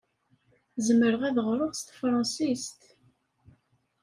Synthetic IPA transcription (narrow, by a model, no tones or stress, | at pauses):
zəməɾəʁæðəʁɾˤəʁst̪fɾˤɑ̃sist̪